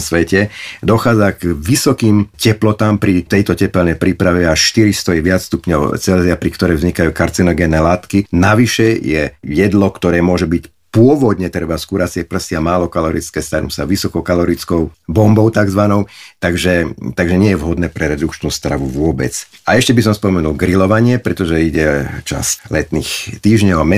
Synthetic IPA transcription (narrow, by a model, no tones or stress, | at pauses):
sʋɛcɛd̪ɔxaːd͡zaɡʋisɔkiːmcɛplɔt̪aːmpɾit̪ɛjt̪ɔcɛpɛlɲɛpɾipɾaʋiaʃʃt̪iɾist̪ɔjɛʋɪat͡sst̪upɲɔʊt͡sɛlziapɾikt̪ɔɾɛjvzɲikajuːkaɾt͡sinɔɡɛːnɛːlaːt̪kinaʋiʃɛjɛjɛd̪lɔkt̪ɔɾɛːmʊɔʒɛbic | pʊɔʋɔd̪ɲɛt̪ɾɛbaskuːɾasɪɛpr̩siamaːlɔkalɔɾit͡skɛːst̪aɾnṵsaʋisɔkɔʊkalɔɾit͡skɔʊbɔmbɔʊt̪aɡzʋanɔʊt̪aɡʒɛt̪aɡʒɛɲɪɛjɛʋɦɔd̪nɛːpɾɛɾɛd̪ukt͡ʃnuːst̪ɾaʋuʋʊɔbɛ̰t͡saɛʃcɛbisɔmspɔmɛnulɡɾilɔʋaɲɪɛpɾɛt̪ɔʒɛiɟɛt͡ʃa̰slɛt̪niːxt̪iːʒɲɔʊamɛ